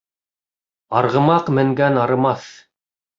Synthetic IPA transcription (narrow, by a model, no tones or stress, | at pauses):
ɑɾʁɤ̆mɑqmɘ̆ŋɡænɑɾɤ̆mɑθ